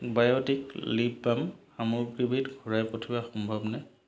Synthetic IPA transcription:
bajotiklibːamxamɔɹpɹibitɡʱuɹajpotʰibaxɔmbʱɔbnɛ

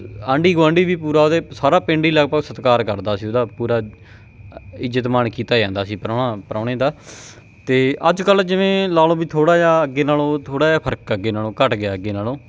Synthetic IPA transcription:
ãːɳɖiːɡãːɳɖiːʋiːpuːɾaːod̪eːsaːɾaːpɪ̃ːɳɖiːləɡpəɡsət̪kaːɾkəɾd̪aːsiːoːd̪aːpuːɾaː | ɪd͡ʒət̪maːɳkiːt̪aːd͡ʒãːnd̪aːsiːpəɾaːnaːpəɾãːɽẽːd̪aː | t̪eːʔəd͡ʒkəld͡ʒɪʋẽːlaːlõːbiːt̪ʰoːɽaːjaːəɡːeːnaːlõːt̪ʰoːɽaːjaːpʰəɾəkəɡeːnaːlõːkəʈɡɪaːəɡːeːnaːlõː

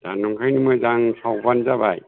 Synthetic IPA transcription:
danɔŋkʰajnimɯzaŋsʰawbanzabaj

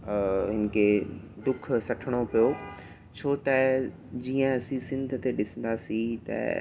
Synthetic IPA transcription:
ɦɪn̆kʰe | d̪ʊkʰsɐʈʰəɽ̃opijo | t͡ɕʰoːt̪ɐ | d͡ʑiːə̃ɐsĩsɪ̃nd̪ʱt̪eɗɪsə̃n̆d̪aːsit̪ɐ̰

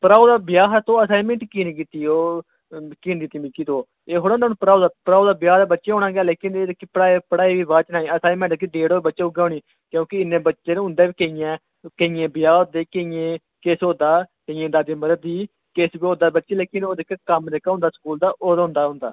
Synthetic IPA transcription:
pəɾaːd̪aːbɪjaːɦat̪õːəsaːɪmɛ̃ːɳʈkiːnĩːk̬iːt̪iːoː | kiːnd̪iːt̪imikiːd̪oː | eːɦoːɽ̃naːnːpəɾaːoːd̪aːpɾaːoːd̪aːbɪjaːd̪aːbətːʃeːɦoːnãːɡɛːleːkɪneːd̪kːipəɽaːpəɽaːiːʋiːbaːt͡ʃnaːiːəsaːmɛ̃ːɳʈ̪ːkid̪eːɽoːbətːʃeːʊɡãːɳiː | kjõːkɪɪnːẽːbətːt͡ʃʃeːnɦʊ̃nd̪eːbiːkəĩjɛ̃ː | kəɪjẽːbɪjaːod̪eːkəijẽː | keːsõːd̪aːkəɪjẽːd̪aːd̪iːməɾəd̪iː | keːsbiːõːd̪aːbətːʃeːleːkɪnoːd̪ekːkəmd̪eːkaɦʊ̃nd̪aːsə̥kuːld̪aːʔoːd̪ʊ̃ːnd̪aːɦʊ̃nd̪a̰ː

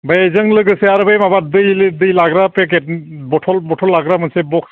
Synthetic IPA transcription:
bajezɯŋlɯɡɯsɛaɾɯbajmabadɯjlɯdɯjlaɡɾapɛk̬ɛtbɔtʰɔlbɔtʰɔlːaɡɾamɯnsɛbɔks

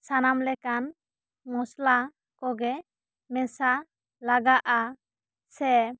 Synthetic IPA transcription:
sanamlɛkan | mɔsla | kɔɡɛ | mɛsa | laɡaʔa | sɛ

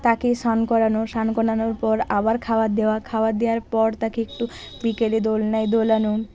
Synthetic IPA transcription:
t̪akeʃankɔɾanoʃankɔnanoɾpɔɾabaɾkʰaoad̪eoakʰaoad̪eaɾpɔɾt̪akeek̚ʈu | bikeled̪olnajd̪olano

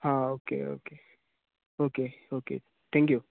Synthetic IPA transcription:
haokḛo̰ke | okeokḛː | t̪ʰɛ̃ŋkju

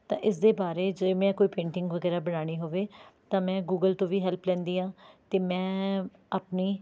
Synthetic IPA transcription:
t̪ãːʔɪs̬d̪eːbaːɾeːd͡ʒemɛ̃ːkoːiːpẽːɳʈɪŋɡʋəɡɛːɾaːbəɽaːɽ̃iːɦoːʋeːt̪ãːmɛ̃ːɡuːɡəlt̪õːʋiːɦɛlplɛ̃ːnd̪iːɦãːt̪eːmɛ̃ː | apniː

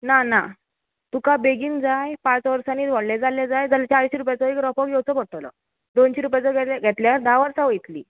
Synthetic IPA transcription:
nana | t̪ukabeɡiːnd͡zajpãt͡sʋəɾsaniːt̪ʋɔɽled͡zaled͡zajd͡zalt͡ɕaɾɕiɾup̬jat͡sɔekɾɔpɔkjɔwt͡sɔpəɽʈ̪lɔ̰ | d̪onɕiɾupjat͡sɔɡʱɛaɡʱɛt̪ljaɾd̪aʋəɾsaʋəjt̪lḭː

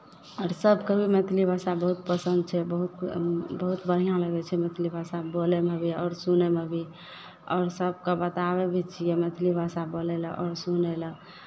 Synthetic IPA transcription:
ɔːɾsəbʱkebʱimet̪ʰlibʱasabəɦut̪̚pəsənd̪̚t͡ʃʰɛbəɦut̪bəɦut̪bəɽ̤ijãləɡɛt͡ʃʰɛmet̪ʰlibʱasabolemebʱiɔːɾsunemebʱi | ɔːɾsəb̚ʱkebət̪abebʱit͡ʃʰijemet̪ʰlibʱasaboleləʔɔ̰ːɾsunelə

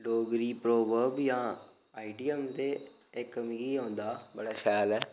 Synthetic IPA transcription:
loːɡɾiːpɾoːʋəːɾbjãː | aːiɖijəmt̪eː | ɪkːəmiːiːõːnd̪aːbəɽaːʃɛːlɛː

